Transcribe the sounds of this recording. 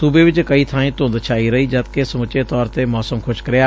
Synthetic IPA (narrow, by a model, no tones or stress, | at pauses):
suːbeːʋɪt͡ʃkəiːt̪ʰãːĩːt̪ʊ̃ːnd̪t͡ʃʰaːiːɾəiːd͡ʒət̪kesəmʊt͡ʃeːt̪ɔːɾt̪eːmɔːsəmkʰʊʃkəɾɪjaː